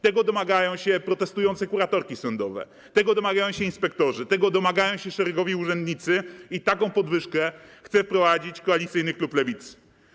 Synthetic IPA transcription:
t̪ɛɡɔd̪ɔmaɡajɔ̃w̃ɕɛpɾɔt̪ɛst̪ujɔnt̪sɛkuɾat̪ɔɾkʲisɔnd̪ɔvɛ̰ | t̪ɛɡɔd̪ɔmaɡajɔ̃w̃ɕɛinspɛk̚t̪ɔʐɘt̪ɛɡɔd̪ɔmaɡajɔ̃w̃ɕɛʂɛɾɛɡɔvʲiuʐɛnd̪ɲit̪sɘit̪akɔ̃w̃pɔd̪vɘʂkɛxt̪sɛfpɾɔvad͡ʑit͡ɕkɔalʲit̪sɘjnɘkluplɛvʲit̪s

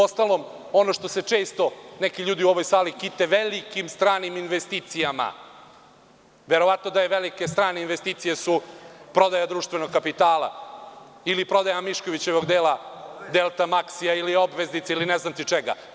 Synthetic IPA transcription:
ost̪alˠo̞m | o̞no̞ʃt̪o̞se̞t͡ʂe̞ːst̪o̞nekiʎuːd̪iuoʋojsaːlikit̪eʋelikimst̪ɾaːniminʋest̪iːt̪sijama̰ | ʋeɾo̞ʋat̪nod̪ajeʋelike̞st̪ɾaːneinʋest̪iːt̪sije̞supɾo̞d̪ajad̪ɾuːʃt̪ʋe̞noɡkapit̪aːlˠa̰ | ilipɾo̞d̪ajamiʃkoʋit͡ɕe̞ʋo̞ɡd̪eːlad̪elˠt̪amaksijailio̞bʋeznit̪seilineznamt̪it͡ʂeɡa̰

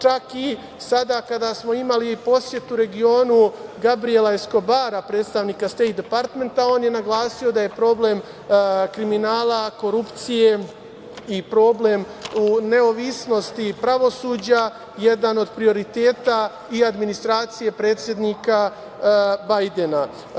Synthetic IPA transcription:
t͡ʃaki | sad̪akad̪asmo̞imaliipo̞sje̞t̪uːɾe̞ɡio̞ːnuɡabɾie̞laesko̞baːɾapɾe̞ːt̪st̪aʋnikast̪e̞jt̪̚d̪epaɾt̪me̞nt̪ao̞ːnjenaɡlˠaːsio̞d̪aje̞pɾo̞ble̞m | kɾiminaːlako̞ɾupt̪sije̞ | ipɾo̞ːble̞mune̞oʋisno̞st̪ipɾaʋo̞suːd͡ʑa | je̞d̪ano̞d̪pɾio̞ɾit̪e̞ːt̪a | iad̪minist̪ɾaːt̪sije̞pɾe̞ːt̪sje̞d̪niːka | bajd̪e̞na

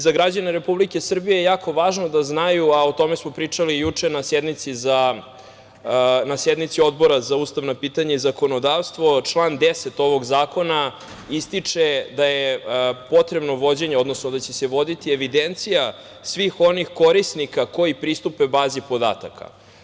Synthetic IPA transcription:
zaɡɾad͡ʑaneɾe̞publike̞sr̩bijejejaːkʰo̞ʋaːʒno̞d̪aznajuaot̪o̞mesmo̞pɾit͡ʂalijut͡ʂenased̪nit̪siza | nased̪nit̪sio̞d̪bo̞ɾazauːst̪aʋnopiːt̪aɲaizako̞no̞d̪aʋst̪ʋo̞t͡ʂlˠaːnd̪eset̪o̞ʋo̞ɡzaːko̞na | ist̪it͡ʂed̪ajepo̞t̪ɾe̞bno̞ʋo̞d͡ʑe̞ɲeo̞d̪nosnod̪at͡ɕe̞seʋo̞d̪it̪ieʋid̪ent̪sija | sʋixo̞nixko̞ɾisnikako̞jipɾist̪upebaːzipo̞d̪a̰t̪a̰kʰa̰

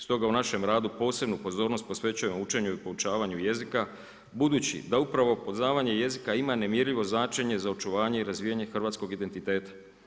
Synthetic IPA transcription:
st̪o̞ɡaunaʃe̞mɾaːd̪upo̞ːse̞bnupo̞zo̞ːɾno̞st̪po̞sʋe̞t͡ɕuje̞mout͡ʃe̞ɲuipo̞ut͡ʃaːʋaɲuje̞zika | bud̪uːt͡ɕḭd̪aupɾaʋo̞pozaːʋaɲe̞je̞zikaimane̞mjeɾʎiʋo̞znaːt͡ʃe̞ɲe̞zaot͡ʃuʋaːɲe̞iɾazʋiːjaɲe̞xr̩ʋat̪sko̞ɡid̪e̞nt̪it̪e̞ːt̪ḁ

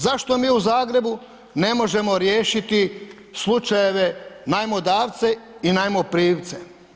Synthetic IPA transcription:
zaʃt̪o̞miːuzaːɡɾe̞bu | ne̞mo̞ʒe̞mo̞ɾjeːʃit̪i | slˠut͡ʃajeʋenajmod̪aːʋt̪se̞inajmopɾiːʋt̪se

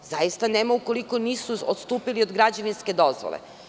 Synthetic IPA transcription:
zajist̪aneːmauko̞liko̞niːsuot̪st̪uːpiliod̪ɡɾad͡ʑaʋinske̞d̪o̞zʋo̰lˠḛ

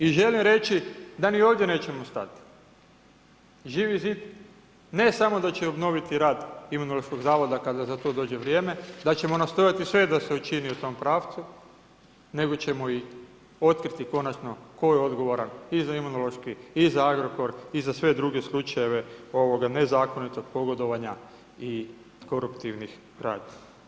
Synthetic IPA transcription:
iʒe̞limɾe̞t͡ʃid̪anioːʋd̪ʲje̞ne̞ːt͡ʃe̞most̪a̰t̪i̥ | ʒiʋizit̪ | ne̞samo̞d̪at͡ɕeo̞bno̞ʋit̪iɾaːd̪imunolo̞ʃko̞ɡzaːʋo̞d̪akad̪azat̪o̞ːd̪o̞ːd͡ʒe̞ʋɾjeːme̞d̪at͡ɕe̞mo̞nast̪o̞jat̪isʋe̞d̪aseut͡ʃiniut̪o̞mpɾaːʋt̪su | ne̞ɡo̞t͡ɕe̞mo̞i | o̞t̪kɾit̪iko̞nat͡ʃno̞ko̞jeo̞d̪ɡo̞ʋoɾanizaimunolˠo̞ʃkiizaaɡɾo̞ko̞ɾizasʋe̞d̪ɾuɡe̞slˠut͡ʃaje̞ʋe̞o̞ʋo̞ɡane̞zaːko̞nit̪o̞ɡ̚po̞ɡo̞d̪o̞ʋaɲa | i | ko̞ɾupt̪iʋnix | ɾa̰ːd̪i

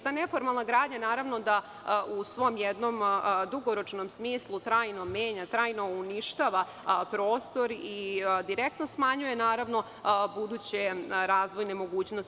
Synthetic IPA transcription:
t̪aːne̞fo̞ɾmalˠnaɡɾaːd̪ɲanaːɾaʋno̞d̪a | ʔusʋo̞mjed̪no̞md̪uɡo̞ɾo̞t͡ʃno̞msmiːslˠut̪ɾaːjno̞me̞ːɲat̪ɾaːjno̞uniʃt̪aːʋa | pɾo̞ːst̪o̞ɾid̪iɾek̚t̪no̞smaɲuje̞naːɾaʋno̞ | bud̪uːt͡ɕeɾaːzʋo̞jnemo̞ɡuːt͡ɕnos

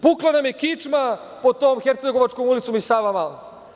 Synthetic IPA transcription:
puklˠanamjekit͡ʃma | pot̪oːmxeɾt̪seɡo̞ʋat͡ʃkomulit̪somisaʋamal

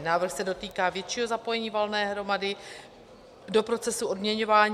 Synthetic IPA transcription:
naːvr̩xsɛdo̞t̪iːkaːvjɛt̪t͡ʃiːɦo̞zapo̞jɛɲiːvalnɛːɦɾo̞madɪ | do̞pɾo̞t͡sɛsuo̞dmɲɛɲo̞vaːɲ

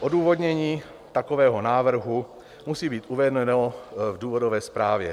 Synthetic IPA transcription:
ʔoduːvo̞d̪ɲɛɲiː | t̪akovɛːɦonaːvr̩ɦu | musiːbiːt̪ʔuvɛdnɛnovduːvodovɛːspɾaːvjɛ

